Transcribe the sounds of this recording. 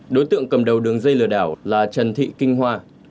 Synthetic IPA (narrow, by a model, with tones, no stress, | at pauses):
ɗo˨˦jt̪ɨ̰˧˨əŋkə˨˩mɗə˨˩wɗɨ˨˩əŋzə˧jlɨ˧˩əɗaː˧˩wlaː˨˩t͡ɕə˨˩nt̪ʰḭ˧˨kï˧ŋ̟ɦwaː˧